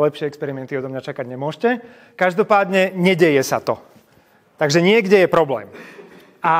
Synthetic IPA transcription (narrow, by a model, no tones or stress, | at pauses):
lɛpʃɪɛɛkspɛɾimɛnt̪iɔd̪ɔmɲat͡ʃakaɟɲɛmʊɔʃcɛ | kaʒd̪ɔpaːd̪ɲɛɲɛɟɛjɛsat̪ɔ | t̪aɡʒɛɲɪɛɡɟɛjɛpɾɔblɛ̰ːm | a